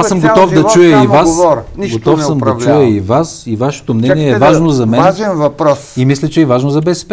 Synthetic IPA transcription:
asəmɡot̪ɔfd̪ɐt͡ʃujəivassɾɡot̪ɔfsəmd̪ɐt͡ʃujəivasivaʃɛ̥t̪omnɛniɛːvaʒnozɐmɛʒɛnvɐpɾɔsimislʲɛt͡ʃɛɛvaʒnozɐbɛsɛ̥pɛ

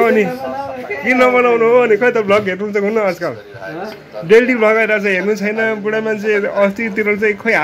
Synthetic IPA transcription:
ni | ɡinʌbʌnawnuɦoːnikʌjt̪ʌbʱlʌɡɦeɾnuɦunt͡sʰʌkunːʌːd͡zkal | ɖelʈibʱlʌɡajɾat͡sʰʌ̃ɦernut͡sʰʌjnʌbuɽamant͡sʰeʌst̪it̪iɾʌɾt͡saĩkʰʌjɦa

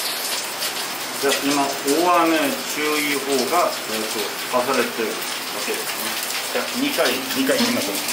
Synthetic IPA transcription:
d͡ʑaːʔimaoːamet͡ɕɨːiho̞ːɡa | eːt̪o̥ | kas̬aɾe̞t̪eɾɯ̟ | βake̞d̪e̞sɨne | d͡ʑaɲikaiɲ̟ikaiimasẽŋ

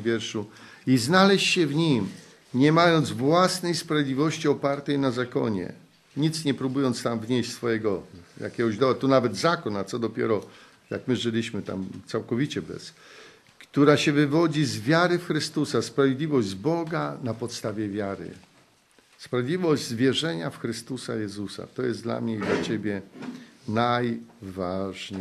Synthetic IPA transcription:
vʲjɛɾʂu | iznalɛɕt͡ɕɕɛvɲim | ɲɛmajɔnd̪zvwasnɛjspɾavʲjed̪lʲivɔɕt͡ɕiɔpaɾt̪ɛjnazakɔ̰ɲɛ̰ | ɲit̪sɲɛpɾubujɔnt̪st̪amvɲeɕt͡ɕsfɔjɛɡɔja̰kʲɛɡɔʑd̪ɔat̪ɔnavɛd̪zakɔnat̪sɔd̪ɔpʲjɛ̰ɾɔ | ja̰kmɘʐɘlʲiɕmɘt̪a̰mt̪sawkɔvʲit͡ɕɛbɛ̰s | kt̪uɾaɕɛvɘvɔd͡ʑizvʲjaɾɘfxɾɘst̪usaspɾavʲjed̪lʲivɔʑd͡ʑbɔɡanapɔt̪st̪avʲjɛvʲjaɾɘ̰ | spɾavʲed̪lʲivɔʑd͡ʑzvʲjɛʐɛɲafxɾɘst̪usajɛzusa̰t̪ɔjɛst̪d̪la̰mɲɛid̪lat͡ɕebʲjɛ | najvaʐɲ

